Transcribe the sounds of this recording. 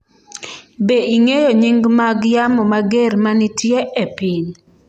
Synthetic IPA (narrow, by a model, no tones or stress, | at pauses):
beiŋejoɲiŋɡmaɡjamɔmaɡermanitjeʔepɪn